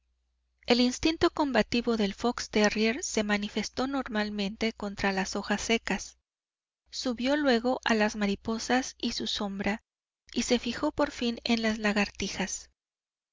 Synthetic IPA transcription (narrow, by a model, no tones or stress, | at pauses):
e̞linst̪int̪o̞ko̞mbat̪iβo̞ðe̞lfo̞kst̪ereɾse̞manife̞st̪o̞no̞ɾmalmẽ̞nt̪e̞ko̞nt̪ɾalaso̞xasːe̞kasː | uβjo̞lwe̞ɣo̞ʔalazmaɾipo̞sasisuso̞mbɾa | ise̞fixo̞po̞ɾfine̞nlazlaɣaɾt̪ixas